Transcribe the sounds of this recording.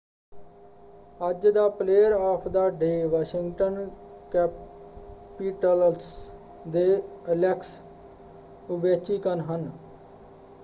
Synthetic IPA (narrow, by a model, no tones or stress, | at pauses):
əd͡ʒd̪aːpleːəɾaːpʰd̪aːɖeːʋaːʃɪŋɡʈən | kɛː | piːʈəls | d̪eːəlɛːks | ʊbeːt͡ʃiːkənɦən